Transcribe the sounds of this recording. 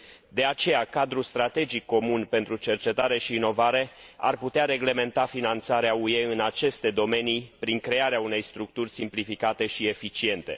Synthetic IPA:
d̪e̞at͡ʃe̞jakad̪ɾust̪ɾat̪e̞d͡ʒikːo̞munpe̞nt̪ɾut͡ʃe̞rt͡ʃe̞t̪aɾe̞ʃiːno̞vaɾe̞a̰rput̪eaɾe̞ɡle̞me̞nt̪afinant̪saɾeaueɨnat͡ʃe̞st̪e̞d̪o̞me̞nipɾiŋkɾe̞aɾeaune̞jst̪ɾuk̚t̪urʲsimplifikat̪e̞ʃie̞fit͡ʃie̞nt̪e̞̰

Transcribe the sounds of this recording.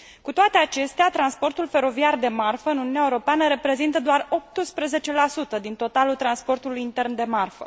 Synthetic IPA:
kut̪oat̪e̞at͡ʃe̞st̪eat̪ɾanspo̞rt̪ulfe̞ɾo̞viard̪e̞marfəɨnuniunʲːaeuɾo̞peanəɾe̞pɾe̞zint̪əd̪oaro̞p̚t̪ɨspɾəze̞t͡ʃe̞lasut̪əd̪int̪o̞t̪alult̪ɾanspo̞rt̪ulujint̪e̞rnd̪e̞marfə̰

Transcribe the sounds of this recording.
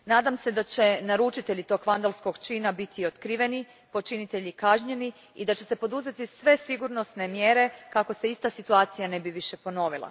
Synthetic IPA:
naːd̪amse̞d̪at͡ɕe̞naɾut͡ʃit̪e̞ʎit̪o̞ɡʋand̪alˠsko̞ɡt͡ʃiːnabit̪ʰiot̪kɾiʋe̞ni | po̞t͡ʃinit̪eʎikaʒɲe̞ni | id̪at͡ɕe̞se̞po̞d̪uze̞t̪isʋe̞siɡuɾno̞sne̞mjeɾe̞kako̞seist̪asit̪uaːt̪sijane̞biʋiʃe̞po̞no̞ːʋilˠa̰

